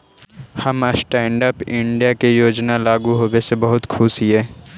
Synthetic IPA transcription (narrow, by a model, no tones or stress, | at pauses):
hɐməsʈɛ̃ːɳɖəpɪ̃ɳɖijakejoːd͡ʒnalaːɡuɦoːwesebɐɦʊt̪kʰʊsiɦɛː